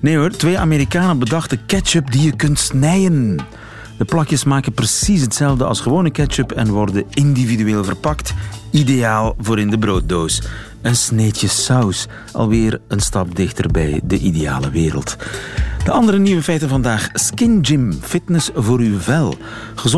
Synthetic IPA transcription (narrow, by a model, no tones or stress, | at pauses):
neotʋeːa̰meːɾikaːnəbədɑχtdəkɛt͡ʃɵpdijəkɵntsnɛjən | d̥əplɑkjəsmaːkənprəsis̬ɦətsɛlˠvdəɑ̰lˠsχəʋoːnəkɛt͡ʃəpɛ̰nʋɔrdəɪndividyeːlˠvərpɑktidejaːlˠvʊːɾɪndəbroːt̚doːs | ənsneːtjəsœws | ʔɑ̰lˠʋɪːrənstɑp̚dɪxtə̰rbɛ̰jdəʔideja̰ːləʋɪːɾə̰lˠt | d̥əʔɑndəɾəniʋəfɛjtənvɑndaːχskɪnd͡ʒɪmfɪtnəsvoːɾywvɛlˠ | χəz